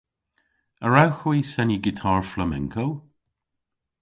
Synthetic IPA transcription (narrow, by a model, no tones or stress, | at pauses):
əɹawxwiːsɛniɡɪtʰaːɹfləmɛ̰ŋkʰow